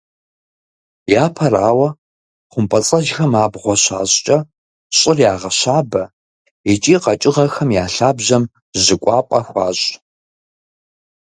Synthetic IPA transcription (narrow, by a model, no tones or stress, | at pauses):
jaːpʰɐraːwɐ | χʷʊmpʰʼɐt͡sʼɐʒxɐmaːbʁʷɔɕa̰ːɕʼt͡ʃʼɐ | ɕʼɪrjaːʁɐɕaːbɐ | ɪt͡ʃʼiːqɐt͡ʃʼɪʁɐxɐmjaːɬaːbʑɐm | ʑɪkʷʼɑːpʼɐxʷɑːɕʼ